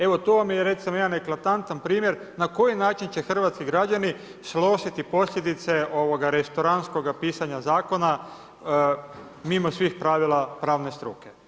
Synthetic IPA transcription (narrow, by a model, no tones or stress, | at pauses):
e̞ʋo̞t̪oʋamjeɾe̞t̪simoed̪ane̞klat̪ant̪anpɾiːmjeɾ | nako̞jinaːt͡ʃint͡ɕe̞xr̩ʋat̪skiɡɾad͡ʒani | slˠo̞ʃit̪ipo̞slʎe̞d̪it̪se̞o̞ʋo̞ɡaɾest̪oɾansko̞ɡapiːsaɲazaːko̞na | mimo̞sʋixpɾaːʋilˠapɾaːʋne̞st̪ɾuːke̞